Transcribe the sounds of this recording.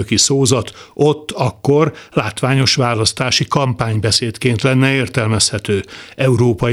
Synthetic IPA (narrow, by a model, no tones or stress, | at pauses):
økisoːzɒt̪o̞t̪ːɒkːo̞rlaːt̪ʋaːɲo̞ʃʋaːlɒst̪aːʃikɒmpaːɲbɛseːt̪keːnt̪lɛnːɛeːrt̪ɛlmɛshɛt̪øːɛuɾoːpɒ